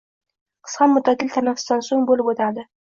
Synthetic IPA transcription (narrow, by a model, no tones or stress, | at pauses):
qʰɨ̥sqɑnmʊt̪ʰːad̪ɪlʲt̪ʰanafst̪ɑnsonbolɪpot̪ad̪ɪ